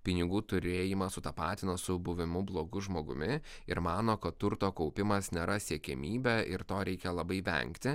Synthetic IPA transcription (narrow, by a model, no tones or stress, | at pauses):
pʲɪnʲɪɡuːt̪ʊɾʲeːjɪmɐsʊt̪ɐpɑːt̪ʲɪnɐsʊbʊʋʲɪmʊblˠoːɡʊʒmoːɡʊ̰mʲɪɪɾmɑːnoːkɐt̪ːʊɾt̪oːkɔʊpʲɪmɐsnʲɛɾɐsʲiːkʲɛmʲiːbʲɛɪɾt̪oːɾʲɛɪkʲɛlˠɐbɐɪʋʲɛ̰ŋkt̪ʲɪ